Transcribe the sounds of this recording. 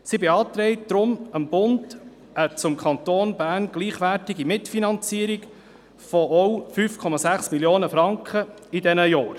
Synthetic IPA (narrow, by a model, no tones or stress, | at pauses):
sibeɑːt̪ɾɛɪt̚d̥ɾʊməmbʊnd | ʔət͡sʊmkʰɑnt̪oːnbæːɾnɡ̥liːχʋæɾtɪɡimɪtfinɑnt͡siːəɾiɡ | fɔʔɔwfyːfkʰɔmɑsæχsmiljoːnəfɾɑŋkχə | idɛnəjɑːɾ